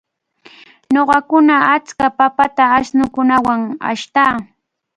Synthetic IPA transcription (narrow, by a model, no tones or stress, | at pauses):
ɲoɢɑkʊnaat͡skapapat̪aːʃnʊkʊnawaŋa̰ʃt̪aː